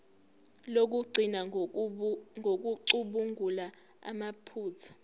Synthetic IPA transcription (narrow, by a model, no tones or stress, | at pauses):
lok̬uɡ͡ǀʱina | ŋʱok̬uǀuɓuŋɡʱula | a̰mapʰuːt͡sʰḁ